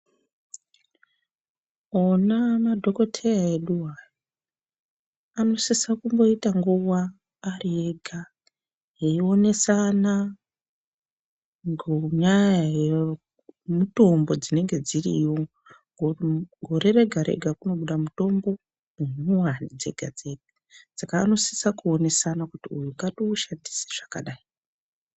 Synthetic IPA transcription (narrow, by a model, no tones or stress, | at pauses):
onamadʱoko̞tʰejaeɗuwajo | ano̞sesakumbo̞itaŋɡuwaː | rieɡʱa | ɦeio̞ne̞sana | ɡɲajaje | muto̞mbo̞d͡zine̞ŋɡe̞d͡zirḭjo | ɡɡʱo̞ɾe̞ɾe̞ɡʱaɾḛɡʱakuno̞ɓuɗamuto̞mbo̞ | unuwanid͡ze̞̰ɡʱad͡ze̞ɡʱa | sakaːno̞si̥sakuo̞ne̞sanakutiujukatouʃandi̥si̥ʐ̥aka̰ɗai